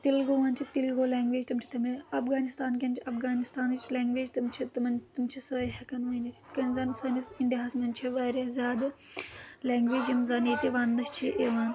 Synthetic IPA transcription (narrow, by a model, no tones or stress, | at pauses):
t̪ilɡoːʋaːnt͡ʃʰit̪ilɡoːlaːŋɡʋeːd͡ʒt̪ɐmt͡ʃʰi̥t̪ɐmiɐfɡaːnist̪aːnkʲɐnt͡ʃʰiɐfɡaːnist̪aːnt͡ʃlaːŋɡʋeːd͡ʒt̪ɐmt͡ʃʰit̪mɐnt̪umt͡ʃʰisəːjɦɐkɐnʋɐjnit̪ʰi̥kɐnzansɐːnisiɳɖiɦaːsmɐnt͡ʃʰiʋaːɾʲazʲjaːd̪ | laːŋɡʋeːd͡ʒjimzaːniːt̪iʋaːnd̪ɐʃt͡ʃʰiʔeːʋaːn